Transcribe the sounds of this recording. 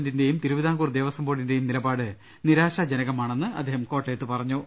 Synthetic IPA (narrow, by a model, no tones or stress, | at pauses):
ndinde̞jumt̪iɾuʋiðaːkuːrd̪eːʋɐsɐmboːɽinde̞jumnilɐbaːɽɨ | niɾaːɕad͡ʑenɐɣɐmaːɳenːɨɐ̰d̪ʱːeːhɐmko̞ːʈːejt̪ːɨpɐrɐɲːu